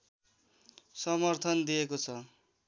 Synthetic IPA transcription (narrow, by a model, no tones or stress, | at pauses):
sʌmʌrt̪ʰʌnd̪ijekot͡sʰʌ